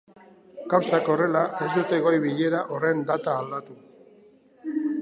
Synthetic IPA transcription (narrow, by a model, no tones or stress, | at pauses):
kawsako̞re̞laʔe̞zd̪ut̪e̞ɣo̞jβiʎe̞ɾaʔo̞re̞nd̪at̪aːld̪at̪u